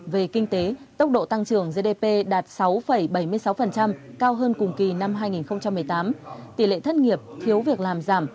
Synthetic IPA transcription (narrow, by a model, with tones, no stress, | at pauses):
ve˨˩kï˧ŋ̟t̪e˨˦t̪ə˦˥wk͡p̚ɗo̰˧˨t̪a˧ŋt͡ɕɨ˨˧˩əŋze˧ɗe˧pe˧ɗaː˨˩t̚sa˨˦wfə˧˩jɓə˧˩jmɨ˧əjsa˨˦wfə˨˩nt͡ɕa˧mkaː˧wɦəː˧nkʊ˨˩ŋ͡mki˨˩na˧mɦaː˧jŋi˨˩nxə˧wŋ͡mt͡ɕa˧mːɨ˨˩əjt̪aː˨˦mt̪i˧˩lḛ˧˨t̪ʰə˦˥t̚ŋi˨˩əp̚t̪ʰi˨˦əwvi˨˩ək̚laː˨˩mzaː˧˩m